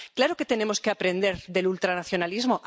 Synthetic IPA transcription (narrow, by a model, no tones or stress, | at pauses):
klaɾoke̞t̪e̞ne̞mo̞ske̞apɾẽ̞nd̪e̞ɾðe̞lult̪ɾanaθjo̞nalizmo̞ʔ